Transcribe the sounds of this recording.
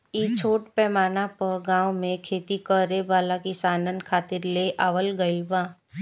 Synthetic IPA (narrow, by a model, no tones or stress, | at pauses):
it͡ʃʰoːʈpɛːmaːnapəɾɡãːwmẽkʰeːt̪ikəɾebaːlakɪsaːnənkʰaːt̪ɪɾleʔaːʋəlɡəɪlbãː